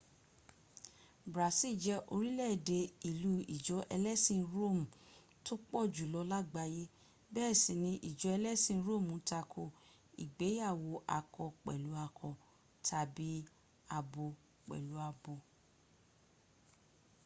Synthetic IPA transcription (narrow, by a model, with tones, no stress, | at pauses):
bɾa˨si˦˨d͡ʒɛ˧ʔo˧ɾi˦lɛ˦˨de˧i˨lu˦i˨d͡ʒɔ˨˦ʔɛ˧lɛ˦sĩ˦˧˨ɾo˦˨m̩˨ | to˦k͡pɔ˦˨d͡ʒu˨lɔ˧la˦ɡ͡ba˧je˦ | bɛː˦˨sĩ˨nĩ˧˦ʔi˨d͡ʒɔ˨˦ɛ˧lɛ˦sĩ˦˨n˦ɾo˦˨mũ˨˦ta˧kʰo˧˨ | ḭ˨ɡ͡be˨˦ja˦˨wo˧ʔa˧kɔ˧k͡pɛ̰˨lu˨˦a˧kʰɔ˧ | tʰa˧˨bi˨˦ | a˧bo˧ | k͡pɛ̰˨lu˨˦a˧bo˧